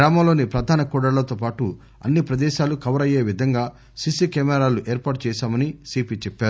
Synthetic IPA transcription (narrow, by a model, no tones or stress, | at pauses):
ɾaːmɐːlo̞ːnipɾɐd̪ʱaːnɐkɔːɽɐɭlɐt̪o̞ːpaːʈu | ɐ̰nːipɾɐd̪ɛːʃaːlukɐʋɾɐje̞ːʋid̪ʱɐŋɡaː | sisikɛːmɛɾaːluʔeːɾpaːʈ̚t͡ʃɛːʃaːmɐnisiːpit͡ʃɛpːaːɾu